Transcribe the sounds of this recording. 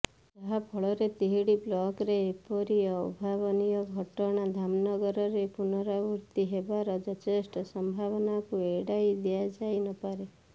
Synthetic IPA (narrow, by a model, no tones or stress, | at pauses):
t̪aɦapʰɔɭɔɾet̪iɦiɽiblɔkɾeːpɔɾijɔɔ̰bʱabɔnijɔɡʱɔʈɔɽ̃ad̪ʱamnɔɡɔɾɔɾepunɔɾabuɾt̪iɦebaɾɔd͡ʒɔt̪esʈɔsɔmbʱabɔnakueɽajd̪iad͡ʒajnɔpaɾe